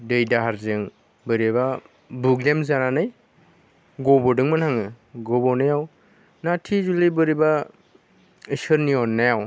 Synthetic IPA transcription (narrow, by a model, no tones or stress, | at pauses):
dɯjdaɦaɾzɯŋ | bɯɾeba | buɡlemzananɯj | ɡɔbɔdɯŋmɯnhaŋɯ | ɡɔbɔnajaw | natʰizulibɯɾiba | ɯsɯɾniɔnːajaw